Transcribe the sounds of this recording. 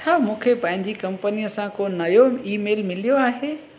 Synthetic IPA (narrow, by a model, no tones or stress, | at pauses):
t͡ɕʰaːmũːkʰepɐ̃ɦɪ̃ɲ̆d͡ʑikɐ̃mpənijəsãkoːnɐjoiːmeːlmɪlijoaːɦeː